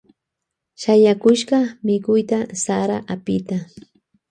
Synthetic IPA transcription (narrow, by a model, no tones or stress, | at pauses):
ʃajakʊʃɢɑmɪkʊjt̪asaɾaʔapɪt̪a